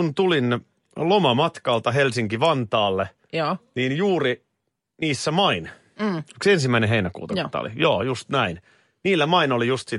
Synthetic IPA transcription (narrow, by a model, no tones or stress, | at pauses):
unt̪ulin | lomɑmɑt̪kɑːlt̪ɑɦelsiŋkiʋɑnt̪ɑːlːe | niːnjuːri | niːsːæmɑin | yksensimːæineɦeinækṵːt̪ɑkt̪ɑ̰o̰lḭjo̰ːjust̪næin | niːlːæmɑinolijust̪si